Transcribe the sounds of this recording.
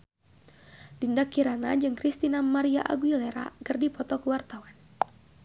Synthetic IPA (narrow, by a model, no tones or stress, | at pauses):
d̥indakiɾanad͡ʒɨŋkɾist̪inamaɾiaʔa̰ɡuilɛɾa̰kərdipɔt̪ɔkuwart̪awan